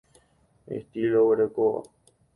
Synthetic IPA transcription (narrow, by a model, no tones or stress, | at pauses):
ḛht̪iloβeɾekoβa̰